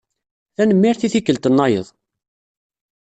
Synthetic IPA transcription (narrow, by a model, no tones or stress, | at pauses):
θænəmːiɾθiθikːəlt̪ənːɑjə̰ðˤ